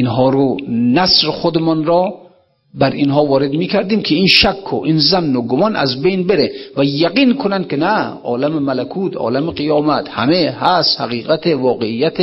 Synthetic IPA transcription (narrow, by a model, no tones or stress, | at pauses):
ʔinɦɒːɾonæsɾexod̪emɒnɾɒː | bæɾinɦɒːvɒːɾed̪miːkʰæɾd̪iːmkʰeinʃækʰːo̰ʔinzænːoɡomɒːnʔæ̰zbejnbeɾevæjæɡiːnkʰonænd̪̚kʲenæɒ̰ːlæmemalækʰuːt̪ʰɒ̰ːlæmeqijɒːmæt̪hæ̰mehæst̪hæɣiːɣæt̪ʰevɒːɡeijːæt̪ʰe